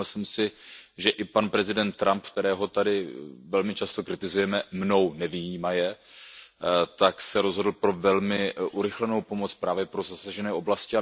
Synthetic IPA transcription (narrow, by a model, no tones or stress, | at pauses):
lsɛmsɪʒɛʔɪpanpɾɛzɪdɛnt̪ːɾʔamp̚kt̪ɛɾɛːɦo̞t̪adɪvɛlmɪt͡ʃast̪o̞kɾɪt̪ɪzujɛmɛmno̞wnɛvijiːmajɛ | t̪aksɛɾo̞zɦodl̩pɾo̞vɛlmɪʔuɾɪxlɛnowpo̞mo̞t͡spɾaːvjɛpɾo̞zasaʒɛnɛːʔo̞blascɪa